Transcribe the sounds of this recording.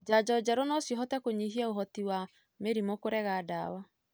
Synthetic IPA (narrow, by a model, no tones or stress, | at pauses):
d͡ʒad͡ʒɔd͡ʒaɾonɔsjɔɦɔtɛkoɲiɦiaoɦɔtiwa | meɾimokoɾɛɣaːda̰wa